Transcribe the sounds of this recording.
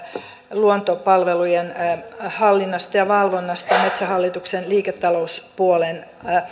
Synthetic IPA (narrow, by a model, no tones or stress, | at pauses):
luont̪opɑlʋelujenhɑlːinːɑst̪ɑjɑʋɑlʋonːɑst̪ɑjɑmet̪sæhɑlːit̪uksenliːket̪ːɑlouspuolen